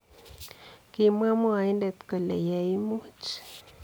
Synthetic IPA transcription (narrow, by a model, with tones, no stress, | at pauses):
ki˦mwa˦mo˦a˨i˦nde˨t̪ka˨lḛ˨ja˨i˦mu˦t͡ʃ